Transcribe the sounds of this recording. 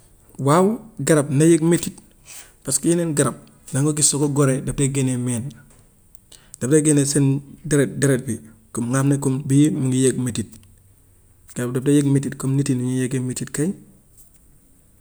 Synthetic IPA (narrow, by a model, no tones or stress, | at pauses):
wawɡaɾabnajekmetːit | paskijinenɡaɾap̚ | naŋɡok̬isokoɡoɾedap̚taɡenemen | d̥ateɡenesendeɾet̚deɾet̚bikumŋabnekumbimiŋɡijek̚metit̚ | ɡ̥aɾap̚dap̚tajekmetitkomnitiniɲijeɡemetitkai